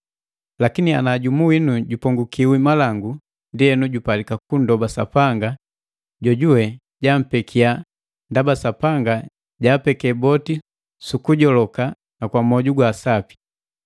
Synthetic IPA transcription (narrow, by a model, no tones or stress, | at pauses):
lakinianaɟumuwinuɟupɔŋɡukiwimalaŋɡu | ndiɛnuɟupalikakundɔbasapaŋɡa | ɟɔɟuwɛ | ɟam̩pɛkʰia | ndabasapaŋɡa | ɟaːpɛkɛbɔti | sukuɟɔlɔka | nakwamɔɟuɡwaːsapi̥